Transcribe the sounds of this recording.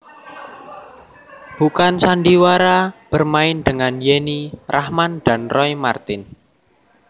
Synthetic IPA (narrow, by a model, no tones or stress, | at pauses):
b̥ukansanɖiwaɾab̥ərmaɪnd̪əŋanjenirahmand̪̥a̤nrɔimart̪ɪn